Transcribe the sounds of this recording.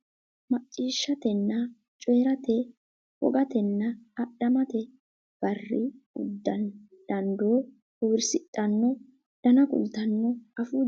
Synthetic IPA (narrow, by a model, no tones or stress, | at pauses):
mɐt͡ʃʼːiːʃːɐt̪ɛnːɐ | t͡ʃʼeːɾɐt̪ɛ | wɔ̰ɡɐt̪ɛnːɐːɗɐmɐt̪ɛ | b̥ɐrːɪʊ̰d̪ːɐn | d̪̥ɐnd̪o̞ː | hɔwɪɾsɪtʼːɐnːɔ | d̥ɐnɐkʼʊ̰lt̪ɐnːɔɐfuː